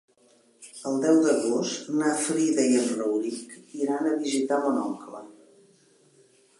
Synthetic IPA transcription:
əlˠd̪ɛwd̪əɣost̪nafɾiðəjənrəwɾikiɾanəβizit̪amunɔŋklə

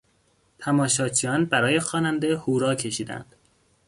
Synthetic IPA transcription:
t̪ʰæmɒːʃɒːt͡ʃʰijɒːnbæɾɒːje̞xɒːnænd̪ehuːɾɒːcʰe̞ʃiːd̪æ̰nd̪̥

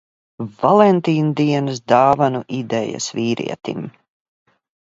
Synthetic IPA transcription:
valˠɛnt̪iːnud̪iɛnɨs̬d̪aːvanuʔid̪ɛja̰sviːɾʔḭɛt̪ḭm

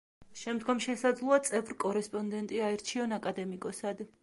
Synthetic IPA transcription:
ʃɛmd̪ɡɔmʃɛsad̪zlˠuat̪sʼɛvɾkʼɔɾɛspʼɔnd̪ɛnt̪ʼiaɛɾt͡ʃʰiɔnakʼad̪ɛmikʼɔsad̪

